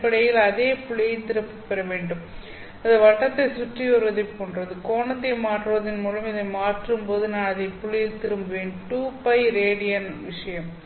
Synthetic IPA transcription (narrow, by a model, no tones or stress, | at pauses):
pːɐɽɐjɪlɐðeːpʊɭːɪjɪlt̪ɪɾɐpːɯpːɛɾɐʋeːɳɖɯm | ɐðɐʋɐʈːɐt̪ːɐɪsʊʈriɔɾɯʋɐðɐɪʈkoːɳɖrɐðɯkoːnɐt̪ːɐɪmaːʈrɯʋɐðɪnmuːlɐmɪðɐɪmaːʈrɯmpoːðɯnaːnɐðɐɪpʊɭːɪjɪlt̪ɪɾɯmbɯʋeːɳʈuːpɐɪɾeːɽɪjɐnʋɪʂɐjɐm